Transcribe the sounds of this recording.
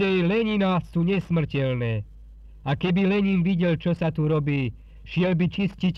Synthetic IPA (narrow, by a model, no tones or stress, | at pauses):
ɛjlɛɲinasuːɲɛsmr̩cɛlnɛː | akɛbilɛɲiːnʋiɟɛlt͡ʃɔsat̪uɾɔbiː | ʃɪɛlbit͡ʃiscic